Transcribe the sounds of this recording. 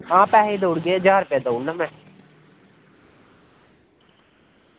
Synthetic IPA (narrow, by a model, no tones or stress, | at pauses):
ãːpɛːɦed̪oːɽɡeːəd͡ʒaːɾʊpjaːd̪ounəmɛ̃